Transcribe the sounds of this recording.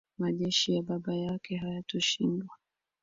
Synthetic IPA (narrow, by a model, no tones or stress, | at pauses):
maʄɛʃijaɓaɓajakɛɦajatɔʃindwa